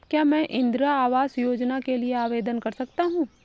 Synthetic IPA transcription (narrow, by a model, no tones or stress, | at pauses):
kjaːmɛ̃ːʔɪ̃nd̪ɾaaːʋaːsjoːd͡ʒnakelieaːʋeːd̪ənkɐɾsɐkt̪aɦũː